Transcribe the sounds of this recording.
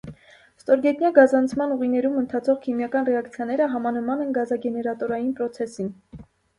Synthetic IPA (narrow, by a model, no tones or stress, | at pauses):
st̪ɔɾɡɛt̪njɑɡɑzɑnt͡sʰmɑnuʁinɛɾumənt̪ʰɑt͡sʰɔʁkʰimjɑkɑnrɛɑkt͡sʰjɑnɛɾəɦɑmɑnəmɑnɛnɡɑzɑɡɛnɛɾɑt̪ɔɾɑjinpɾɔt͡sʰɛsin